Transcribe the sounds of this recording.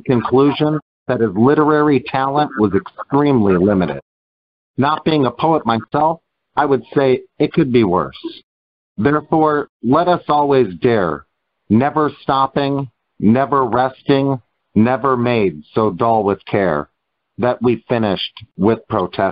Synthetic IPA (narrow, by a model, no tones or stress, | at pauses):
kɨ̃nkʰl̥uʒə̃n | ðɨɾ̚ɨzlɪɾə˞ɛɹitʰælˠə̃nʔwʌzɨkstɹ̥ĩmlilɪ̃mɨɾɪ̰d̥̚ | nət̚b̥iɪ̃ŋəpʰoʊət̚maɪsɛlˠf | aɪwɨd̥seɪɨt̚kʰɨd̚biwɜ̰˞s | ðɛɹfɔɹlɛɾʌsɔlˠwizdɛɹ | nɛvə˞stɑpɪ̃ŋ | nɛvə˞ɹɛstɪ̃ŋ | nɛvə˞meɪdsoʊdʌlˠwɪð̥kʰɛ̰ɹ | ðɨʔ̚wifɪ̃nɪʃt̚wɪð̥pʰɹ̥oʊtʰɛ